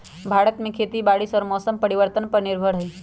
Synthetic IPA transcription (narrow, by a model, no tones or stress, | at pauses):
bʱaːɽət̪mẽkʰeːt̪ibaːɽɪsɔːɾmɔːsəmpɐɾɪʋəɾt̪ənpɐɾnɪɾbʱəɽɦiː